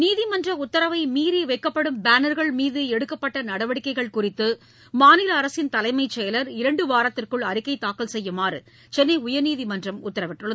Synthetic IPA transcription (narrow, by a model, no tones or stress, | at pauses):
niːðɪmɐndrɐʊt̪ːɐɾɐʋɐɪmiːɾeːʋɐɪkːɐpːɐɽɯmbaːnɐɾɣɐɭmiːðɯɛɽɯkːɐpːɐʈːɐnɐɽɐʋɐɽɪkːɐɪɣɐɭkʊrɪt̪ːɯ | maːnɪlɐːɾɐsɪnt̪ɐlɐɪmɐɪt͡ʃːɛjɐlɐɾɪɾɐɳɖɯʋaːɾɐt̪ːɪrkɯɭɐɾɪkːɐɪt̪ːaːkːɐlsɛjːɯmaːrɯ̰ | t͡ʃɛnːɐɪʊjɐɾniːðɪmɐndrɐmʊt̪ːɐɾɐʋɪʈːɯɭːɐ